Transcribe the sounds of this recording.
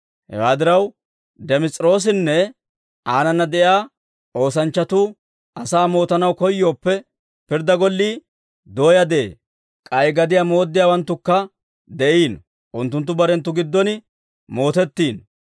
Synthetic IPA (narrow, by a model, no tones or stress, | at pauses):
hɛ̰waːd̪ɪɾɐw | d̪ɛmɪt͡sʼɾo̞ːs̬ɪnːɛ | ʔaːnɐnːɐd̪ɛjaː | ʔo̞ːs̬ɐnt͡ʃːɐt̪uː | ʔɐsaːmo̞ːt̪ɐnɐwkɔjːo̞ːpːɛ | pɪɾd̪ɐɡɔlːiː | d̪o̞ːjɐd̪e̞ː | kʼɐjɡɐd̪ɪjaːmo̞ːd̪ːɪjaːwɐnt̪ːʊkːɐ | d̪ɛʔiːn | ʔʊnt̪ːʊnt̪̬ːʊbɐɾɛnt̪ːʊɡɪd̪ːɔnɪ | mo̞ːt̪ɛt̪ːiːn